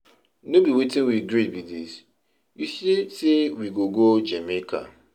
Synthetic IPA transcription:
nobiwetɪ̃nwiɡɹibidis | jusesewiɡoɡod͡ʒemekʰa̰

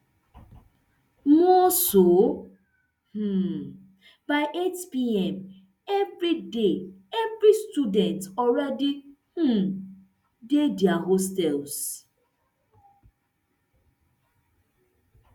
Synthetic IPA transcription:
mɔso | h̩ | baɪʔetpiɛm | ɛvɾideɛvɾistudɛntɔɾɛdihu | dedjaɦostɛls

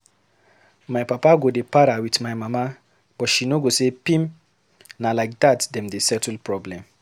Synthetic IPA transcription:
maɪpapaɡodepaɾawitmaɪmama | b̥ɔtʃinoɡosepĩm | nalaɪk̚datdɛ̃mdesɛtlpɹɔblɛ̃m

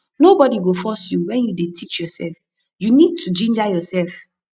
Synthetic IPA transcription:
nobɔdiɡofɔsjuwɛ̃njudetʰit͡ʃjɔsɛ̰lf | junid̚tʰud͡ʒĩnd͡ʒajɔsɛlf

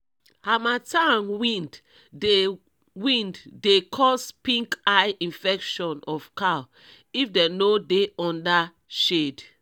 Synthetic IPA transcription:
hamatanwĩnd | e | wĩndːekʰɔspĩŋkaɪʔĩnfɛkʃɔ̃nɔfkaw | ifdɛnodeɔ̃nda | ʃed

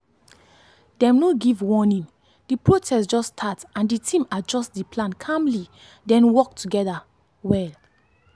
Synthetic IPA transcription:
dɛ̃mnoɡivwɔnĩn | d̥ipɹotʰɛsd͡ʒɔstʰatãnditʰĩmad͡ʒɔstdiplãnkʰãmli | dɛ̃nwɔk̚tʰuɡɛda | wɛl

